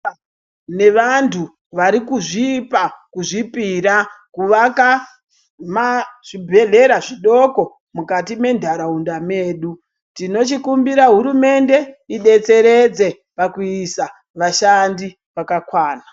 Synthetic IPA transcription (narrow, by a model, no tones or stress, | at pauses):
ne̞ʋantʰu | ʋaɾikuʐipakuʐipiɾakuʋaka | maʐ̥ibʱe̞ɮe̞ɾaʐiɗo̞ko̞ | mukatime̞ndʱaɾaundameːɗu | tino̞t͡ʃikumbiɾaɦuɾume̞nde̞iɗe̞t͡se̞ɾe̞d͡ze̞ | pakuisa | ʋaʃandi | ʋakakwaːna